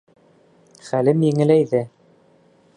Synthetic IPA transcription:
χælɘmjɘ̆ŋɘ̆læjðɘ

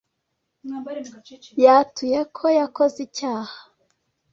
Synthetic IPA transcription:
jatuje̞kʰojakozicaːha

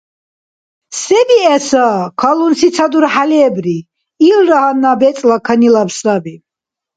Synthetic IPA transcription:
sɛbiɛsakʰalunsit̪t͡sʰad̪uɾħalɛbɾi | ilɾaɦanːabɛt͡s̪ʼlakʰanilapsabi

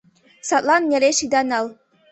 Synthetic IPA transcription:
sɑt̪lˠɑnjʲeɾʲeʃid̪ɑnɑlˠ

